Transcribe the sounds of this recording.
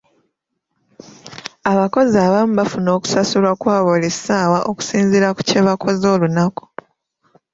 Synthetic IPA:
aβako̞zaːβamuβafuno̞ːku̥sasulwakwaːβolesaːwaʔoku̥siːnziɾaku̥ceβakʰo̞zo̞ːlunaku̥

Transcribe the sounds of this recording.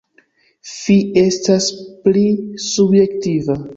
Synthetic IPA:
fie̞stasplisubje̞ktiva

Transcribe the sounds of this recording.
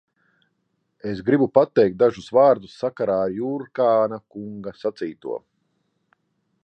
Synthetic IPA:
esɡɾibupat̪ːɛjk̚t̪̚d̪aʒusvaːɾd̪usːakaɾaːɾjuɾkaːnakuŋɡasat̪siːt̪ṵɔ

